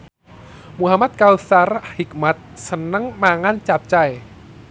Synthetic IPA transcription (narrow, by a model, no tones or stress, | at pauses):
muɦamat̪̚kawsarahik̚mat̪̚sənəŋmaŋant͡ʃap̚t͡ʃaj